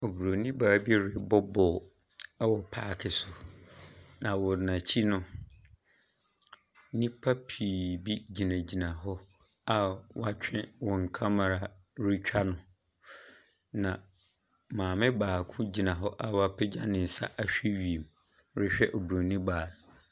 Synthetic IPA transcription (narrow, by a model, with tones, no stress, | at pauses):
o˨bu˨ɾo˨nĩ˦baː˨bi˦ɛ˦ɾɪ˨bɔ˦bɔː˨˦ | wɔ˨pʰaː˦˨kʰɪ˨sʊ˨ | nã˨wɔ˨nã˨t͡ɕʰi˦nʊ̃˦ | nĩ˦pʰa˦pʰiː˨bi˦d͡ʑi˨nã˨d͡ʑi˨nã˨ɦɔ˦ | a˦wa˨t͡ɕᶣʰɪ̃˦wɔ̃˨ŋ̩˨kʰã˦ma˨ɾa˨ | ɾɪ˦t͡ɕᶣa˦nʊ̃˨ | nã˨ | mãː˨mɪ̃˦baː˨kʰʊ̃˦d͡ʑi˨nã˨ɦɔ˦ʔa˦wa˨pʰɪ˦d͡ʑa˦nɪ̃˨n̩˨sa̰˦ʔa˦ɕᶣɛ˦ɥi˨e˨m | ɾɪ˦ɕᶣɛ˦ʔɔ˨bu˨ɾo˨nĩ˦baː˨